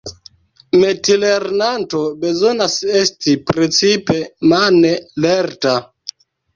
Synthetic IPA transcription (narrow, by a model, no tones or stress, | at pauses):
metileɾnanto̞be̞zo̞nase̞stipɾet͡sipe̞maneleɾta